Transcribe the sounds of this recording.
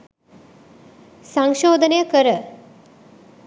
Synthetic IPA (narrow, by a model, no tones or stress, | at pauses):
saŋʃoːd̪ənəjəkəɾə